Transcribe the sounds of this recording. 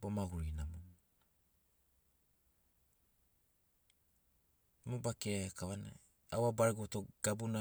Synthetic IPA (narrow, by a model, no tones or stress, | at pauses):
bomaɡuɾinamo | mobakeɾakaβana̰ | awabaɾeɡotoɡ̥abuna